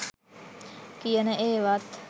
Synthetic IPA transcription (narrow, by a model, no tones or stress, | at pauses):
kijənəʔeːʋat̪